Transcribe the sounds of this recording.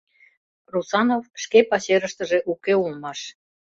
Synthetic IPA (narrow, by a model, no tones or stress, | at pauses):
rusɑnofʃkepɑɕeɾəʃt̪ə̆ʒeʔukeulmɑʃ